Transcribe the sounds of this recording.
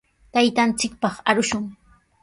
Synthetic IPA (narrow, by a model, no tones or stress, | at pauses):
t̪ajt̪ant͡sɪk̚pɑχaɾʊʃʊŋ